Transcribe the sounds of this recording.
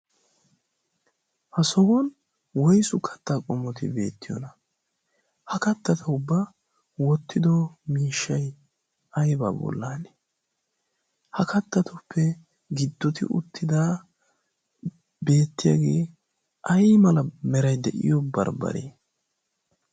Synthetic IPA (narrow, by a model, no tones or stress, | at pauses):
hɐsɔwɔn | wɔjsʊkʰɐ̥t̪ːaːkʼɔmːɔt̪ɪ̰be̞̰ːt̪ːɪjɔ̰nɐ | hɐkɐt̪ːɐt̪ʰɐʊbːa | wɔt̪ːɪd̪ɔmiːʃːɐj | ɐjba̰ːbɔ̰lːaːnɛ̥ | hɐkɐt̪ːɐt̪ɔpʰːɛ | ɡɪd̪ːɔt̪ɪ̰ʔʊ̰t̪ʰːɪd̪aː | beːt̪ːɪjaɡeː | ʔɐjmɐlɐmɛɾɐjd̪ɛʔɪ̰jɔbɐ̰ɾbɐ̰ɾḛː